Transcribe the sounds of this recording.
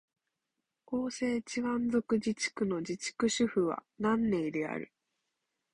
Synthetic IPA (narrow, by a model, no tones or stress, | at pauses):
ko̞ːse̞ːt͡ɕiɡãnzo̞kɯ̟d͡ʑit͡ɕi̥kɯ̟no̞d͡ʑit͡ɕi̥kɯ̟ɕɨɸɯ̟βa̰nãnːe̞id̪e̞a̰ɾɯ̟̰